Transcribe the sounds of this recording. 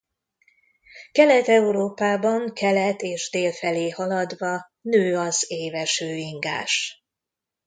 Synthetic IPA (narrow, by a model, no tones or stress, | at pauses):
kɛlɛt̪ɛuɾoːpaːbɒŋkʰɛlɛt̪eːʒd̪eːlfɛleːhɒlɒd̪ʋɒ | nøːɒzeːvɛʃøːiŋɡa̰ːʃ